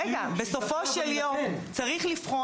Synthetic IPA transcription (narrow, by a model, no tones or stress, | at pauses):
eɡabeso̞foʃeljomt͡saʁiχlifχo